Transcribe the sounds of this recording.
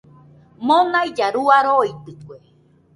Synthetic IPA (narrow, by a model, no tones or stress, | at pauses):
mõnajd͡ʒaɾuaɾojt̪ɨkʷe